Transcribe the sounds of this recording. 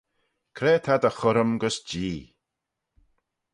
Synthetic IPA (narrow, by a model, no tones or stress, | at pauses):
kʰɾeːt̪ʰad̪əxʊɾəmɡəsd͡ʒiː